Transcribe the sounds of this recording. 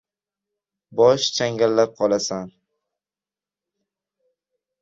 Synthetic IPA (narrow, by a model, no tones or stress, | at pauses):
bɒʃt͡ʃʰaŋɡʲalːap̚qʰɒlˠasan